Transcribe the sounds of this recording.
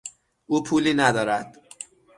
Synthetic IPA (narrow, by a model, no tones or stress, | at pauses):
ʔuːpʰuːliːnæd̪ɒːɾæd̪̥